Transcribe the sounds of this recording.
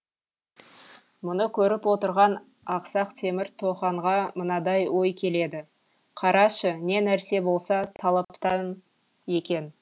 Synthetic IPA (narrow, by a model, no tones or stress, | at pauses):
mʊnəkʲʰɵɾɪpwo̞t̪əɾʁɑn | ɑqsɑqt̪ʰe̞mɪɾt̪ʰo̞χɑɴʁɑmənɑd̪ɑjwo̞jkʲʰe̞le̞d̪ɪ | qʰɑɾɑʃəne̞næɾse̞bo̞lˠsɑt̪ʰɑlˠɑpt̪ɑn | e̞kʲe̞n